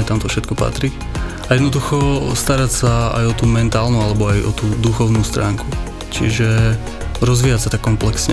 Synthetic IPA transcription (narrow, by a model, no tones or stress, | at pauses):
ɛt̪amt̪ɔfʃɛt̪̚kɔpa̰t̪ɾi | ajɛd̪nɔd̪uxɔst̪aɾacsaa̰jɔt̪uːmɛnt̪aːlnualɛbɔajʔɔ̰t̪uːd̪uxɔʊnuːst̪ɾa̰ːŋku | t͡ʃḭʒɛ | ɾɔzʋiːjasat̪akːɔmplɛksɲɛ